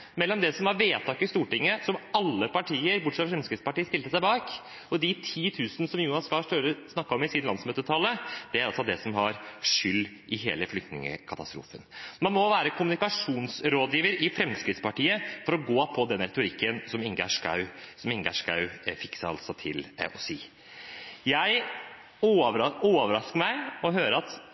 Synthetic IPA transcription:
mɛlːɔmd̪ɛsɔmʋɑɾʋeːt̪ʰɑːkɪst̪uːʈɪŋːəsɔmɑlːəpɑʈʰiːəɾbʊʈːʂɛt̪fɔfɾɛmskɾɪt̪spɑʈiːəst̪ɪlt̪əsæɪbɑːk | ɔd̪ɪt̪ʰiːt̪ʰʉːsənəsɔmjuːnɑskɑʂʈøɾəsnɑkːɑɔmɪsiːdnlɑnsmøːt̪ət̪ʰɑlːəd̪̥ɛæɾɑlsɔd̪ɛsɔmɦɑɾʂʏlː | ʔɪɦḛːləflʏkt̪nɪ̰ŋə̰kʰɑt̪ɑst̪ɾṵːfənmɑnmɔʋæːɾəkʰʊmʉnɪkɑʂuːnsɾoːd̪jiːʋəɾɪfɾɛmskɾɪt̪spɑʈiːəfɔɾɔɡoːpʰɔd̪ɛnːɾɛt̪ʊɾɪkːənsɔmɪŋɡæʂkɑ̰ʉsɔmɪŋɡæʂkɑ̰ʉfɪksɑɑ̰lt̪sɔt̪ʰɪ̰lɔsiː | jæɪ | ooːʋəɾɑskəmæɪɔɦøːɾəɑt̪

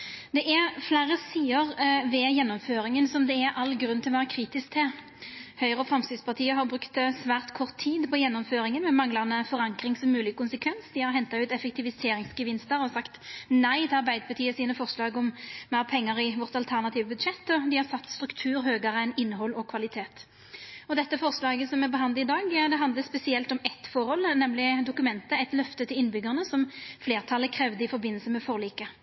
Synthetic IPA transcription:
d̪ɛʔɛflæːɾəsiːəʁʋɛjɛnːɔmføːɾɪŋənsɔmd̪ɛɛɾʔɑlːɡɾʉnt̪ʰɪlɔʋæːʁəkʰɾiːt̪ɪskt̪ʰɪ | hœʏʁəfɾʁɑmst̪ɪd̪spʰɑʁt̪ʰiːəɦɑʁbʁʉkt̪sʋæːʁt̪kʰɔʁt̪ʰːiːd̪pʰɔjɛnːɔmføːɾɪŋənmɛmɑŋlɑnəfɔʁɑŋkɾɪŋsɔmːʉːlɪɡəkʊnsəkʰʋɛnsd̪ɪhɑʁɦɛnt̪ɑʉːt̪ɛfɛk̚t̪ʰɪʋɪseːɾɪŋsɡəʋɪnst̪əɾɔsɑkt̪næɪt̪ʰɛɑɾbæɪd̪əpʰɑʁt̪ʰiːəsiːnəfɔʁʂlɑːɡɔmmæːʁpʰɛŋːəʁɪʋɔʁt̪ɑlt̪ʰæʁnɑt̪ʰiːʋəbʉd̪ʂɛt̪ːɔd̪ɪhɑʁsɑt̪ːst̪ɾʉkt̪ʰʉːɾɦøːɡəɾəɛnɪnːɦɔlɔkʰʋɑlɪt̪ʰeːt̪ | ɔd̪ɛt̪ːəfɔʁslɑːɡəsɔmɛbəɦɑnd̪̩ɪd̪ɑːɡd̪ɛɦɑnd̪ləspɛsɪɛlt̪ɔmɛt̪fɔʁhɔlnɛmlɪd̪ʊkʉmɛnt̪əɛɪt̪lœft̪ət̪ʰɪlɪnbʏɡəʁnəsɔmfleːʁt̪ʰɑlːəkʰɾɛʋd̪əɪfɔɾbɪnːəlsəmɛfɔʁliːkə

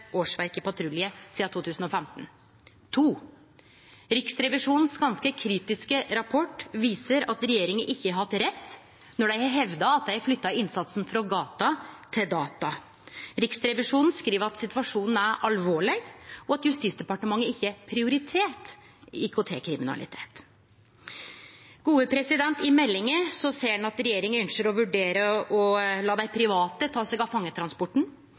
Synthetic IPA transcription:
oːʂʋæɾkəpɑt̪ʰɾʉlɪəsiːɑt̪ʰuːt̪ʰʉːsn̩ɔfɛmt̪n | t̪ʰuː | ɾɪksɾɛʋɪʂuːnn̩sɡɑnskəkʰɾiːt̪ɪskəɾɑpʰɔʈːʋiːsəɾɑt̪ɾɛjeːɾɪŋəʔɪçːəhɑt̪ɾɛt̪ː | nɔɖæɪɦɛʋd̪ɑɑt̪̚d̪æɪflʏt̪ːɑɪnsɑt̪sn̩fɾɑɡɑːt̪ɑt̪ʰɪld̪ɑːt̪ɑ | ɾɪksɾɛʋɪʂuːnn̩skɾiːʋəɾɑt̪sɪt̪ʋɑʂuːnn̩æɾʔɑlʋoːɭɪɡɔɑt̪jʉst̪iːt̪sd̪ɛpɑʈəmɑŋːəɪçːəæɾpʰɾɪʊɾɪt̪ʰeːʈ | ɪkʰot̪ʰeːkʰɾɪmɪnɑ̰lɪ̰t̪ʰeːt̪ | ɡ̥uːəpʰɾɛsɪd̪ɛnt̪ɪmɛlːɪŋəsɔseːɛnɑt̪ɾɛjeːɾɪŋənʉnʃəɾɔʋʉɖeːɾəɔlɑːd̪æɪpʰɾɪʋɑːt̪ət̪ʰɑːsɛɡɑfɑŋːət̪ʰɾɑnspɔʈɳ̩

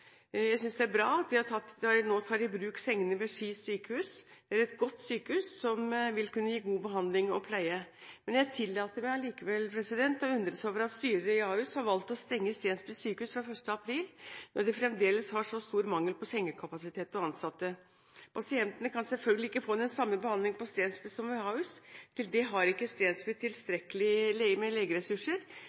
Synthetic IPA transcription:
jæɪsʏnsd̪ɛæɾbɾɑːɑt̪d̪ɪhɑt̪ʰɑt̪ːnoːt̪ʰɑːɖɪbɾʉːksɛŋːənəʋɛʂiːsyːkəhʉːsd̪̥ɛæɾɛt̪ɡɔt̪ːsyːkəhʉːsːɔmʋɪlkʉnːəjiːɡuːbəɦɑnd̪lɪŋɔpʰlæɪəmɛnjæɪt̪ʰɪlːɑːt̪əmæɪɑliːkəʋɛlpʰɾɛsɪd̪ɛnt̪ɔʉnd̪ɾəsoːʋəɾɑt̪st̪yːɾəɾəɪɑːʉshɑɾʋɑlt̪ɔst̪ɛŋːəst̪eːnspɪsyːkəʉːsfɾɑfœʂʈəɑpʰɾiːlnɔɖ̪ɛfɾɛmd̪eːləshɑʂɔst̪uːɾmɑŋːəlpɔsɛŋːəkʰɑpɑsɪt̪ʰeːt̪ɔɑnsɑt̪ːə | pʰɑsɪɛnt̪ənəkʰɑnsɛlfœlɡəlɪɪkːəfoːnɛnsɑmːəbəhɑnd̪lɪŋpɔst̪eːnspɪsɔmɑːʉst̪ʰɪld̪ɛɦɑɾɪkːəst̪eːnspɪt̪ʰːɪlst̪ɾɛkəlɪlɛmɛleːɡəɾɛsʉʂəɾ

